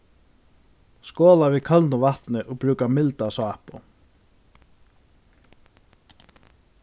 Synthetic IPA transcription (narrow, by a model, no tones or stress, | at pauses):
skɔːlavikʰœlnʊvaht̪nɪʔɔɣpɾʉːkamɪlt̪asɔahpʊ̰